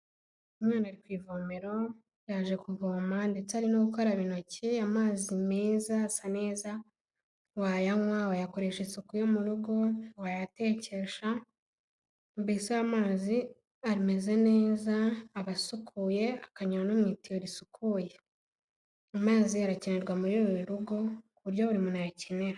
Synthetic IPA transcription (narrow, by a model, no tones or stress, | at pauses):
umŋaːnaɾikwiːvoːmeɾo̞ | jaʒe̞kuvoːmandet͡saɾinoɡuko̞ɾaβino̞ciamaːzimeːzasane̞ːza | wajaŋwawajako̞ɾe̞ʃesukujomuɾuɡo̞wajate̞ːce̞ʃa | mbisoamaːzi | aɾime̞ze̞ne̞ːzaːβasukʰuːje̞akaɲaɾanomŋitioɾisukʰuːje̞ | amaːziaɾacene̞ɾɡwamuɾoɾɾiɾuɡo̞kuβuɾɟoβuɾimunajacene̞ɾa